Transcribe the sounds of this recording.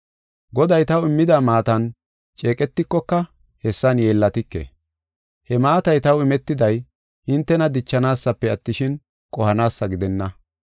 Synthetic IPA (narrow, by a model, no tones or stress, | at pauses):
ɡɔd̪ɐjt̪ɐwɪmːɪd̪amaːt̪ɐn | t͡ʃʼe̞ːkʼɛt̪ːɪkːɔkːɐ | hɛsːɐnje̞ːlːɐt̪ɪkːḛ | hɛmaːt̪ɐjt̪ɐwɪmɛt̪ːɪd̪ɐj | hɪnt̪ːɛnɐd̪ɪt͡ʃːɐnaːsːɐpːɛɐt̪ːɪʃɪn | kʼɔhɐnaːsːɐɡɪd̪ɛnːɐ